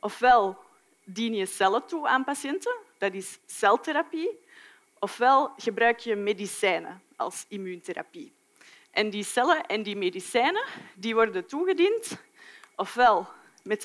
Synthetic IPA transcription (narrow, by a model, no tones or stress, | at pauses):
ʔɔfʋɛlˠ | diːnjəsɛlətuaːnpasjɛntəd̥ɑtɪsːɛlˠteɾapi | ʔɔfʋɛlˠɣəbɾœːkjəmedisɛːnə̰ | ɑ̰lˠsimyːnteɾa̰pi | ʔɛndisɛləʔɛndimedisɛːnədiːʋɔrdətuɣədint | ʔɔfʋɛlˠ | mɛt